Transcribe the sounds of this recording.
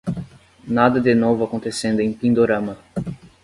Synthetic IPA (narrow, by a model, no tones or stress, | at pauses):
nad̪ɐd̪ɪnovʊakõnt̪esẽnd̪ʊẽj̃pĩnd̪oɾɐ̃mɐ